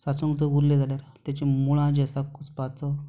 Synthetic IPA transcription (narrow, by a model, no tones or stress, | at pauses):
sat͡sũŋkd͡zəʋuɾlẽd͡zʱaljaɾt̪jat͡ɕemuɭãd͡ʑasakuspat͡sɔ